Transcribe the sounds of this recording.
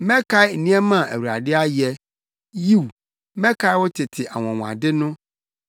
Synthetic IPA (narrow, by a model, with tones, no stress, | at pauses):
mɛ̃˦kʰa˦ɪ˦n̩˨nĩ˦ɛ˦mã˦˨æ̰˨wu˨ɾa̰˨dɪ˦a˦jɛ˨ | ji˦w | mɛ̃˦kʰa˦wɔ˦tʰɪ˨tʰɪ˨ʔa˨wɔ̃˨ŋ̃˨a̰˨dɪ˦nʊ̃˦